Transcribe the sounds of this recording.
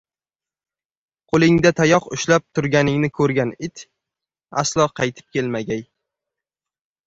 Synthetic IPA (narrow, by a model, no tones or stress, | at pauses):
qʰolˠɪŋd̪at̪ʰajɒqʊʃlap̚t̪ʰʊɾɡʲanɪŋnɪkʰɵɾɡʲanɪt̪ʰ | aslˠɒqʰɑjt̪ʰɪ̥p̚kʲʰe̞lmaɡʲaj